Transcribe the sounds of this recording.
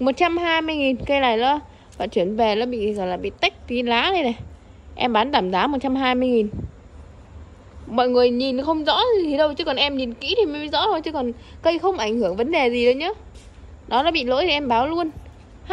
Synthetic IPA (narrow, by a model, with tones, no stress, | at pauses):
mo˨˩t̚t͡ɕa˧mɦaː˧jmɨ˧əjŋi˨˩nkə˧jla̰ː˧˩jləː˧˦ | va̰˧˨t͡ɕwi˧˩ənve˨˩laː˨˦ɓḭ˧˨zɔː˨˩jlaː˨˩ɓḭ˧˨t̪a˦˥jk̟̚t̪i˨˧˦laː˨˦ɗə˨˧jna˨˩j | ʔɛ˧mɓaː˨˦nt̪aː˧˩mzaː˨˦mo˨˩t̚t͡ɕa˧mɦaː˧jmɨ˧əjŋi˨˩n | mɔ̰˧˨jŋɨ˨˩əjɲi˨˩nxə˧wŋ͡mzɔ̰˧˥zi˨˩t̪ʰi˨˩ɗə˧wt͡ɕɨ˨˦kɔ˨˩nʔɛ˧mɲi˨˩nkḭ˧˥t̪ʰi˨˩m˨˦ɓḭ˧˨zɔ̰˧˥t̪ʰo˧˩jt͡ɕɨ˨˧˦kɔ˨˩nkə˧jxə˧wŋ͡mʔa˧˩jŋhɨ˧˩əŋvə˨˦nɗe˨˩zi˨˩ɗə˨˧˦wɲaː˨˦ | ɗɔ˨˦laː˨˧˦ɓḭ˧˨lo̰˧˥jt̪ʰi˨˩ʔɛ˧mɓaː˨˦wlu˧ən | h